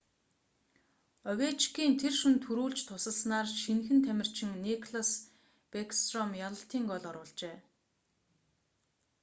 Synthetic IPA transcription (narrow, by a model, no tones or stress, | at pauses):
œwʲet͡ɕkiːnt̪ʰerʃunt̪ʰuɾuːɮt͡ɕt̪ʰʊsə̆ɮsnaːrʃinxɘ̆nt̪ʰæmʲɪ̆r̥t͡ɕʰɪ̆ŋnikʰɮas | pekst̪rɔmjaɮə̆ɬt̪ʰiːŋɡɔɮɔɾʊːɮt͡ɕeː